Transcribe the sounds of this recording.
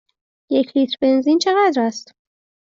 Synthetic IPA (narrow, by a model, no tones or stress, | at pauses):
jecʰliːt̪ʰɾbe̞nziːnt͡ʃʰe̞ɣæd̪ɾæst̪